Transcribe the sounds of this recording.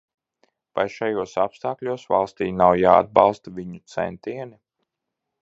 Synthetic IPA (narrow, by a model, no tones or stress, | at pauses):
vajʃajuɔsapst̪aːklʲuɔsva̰lˠst̪iːnawjaːa̰d̪̚bɑ̰lˠst̪avʲiɲut̪sɛ̰nt̪iɛni